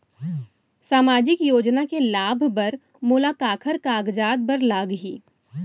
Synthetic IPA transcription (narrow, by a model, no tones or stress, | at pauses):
saːmaːd͡ʒɪkjoːd͡ʒnakelaːbʱbɐɾ | mʊːlaːkaːkʰəɾkaːɡd͡ʒaːd̪̚bəɾlaːɡɦiː